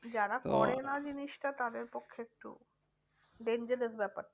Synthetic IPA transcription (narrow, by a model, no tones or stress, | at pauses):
d͡ʑaɾakɔ̰ɽenad͡ʑiniʃʈat̪ad̪eɾpokʰːoek̚ʈṵ | ɖeɲd͡ʑəɾesbɛpa̰ʈː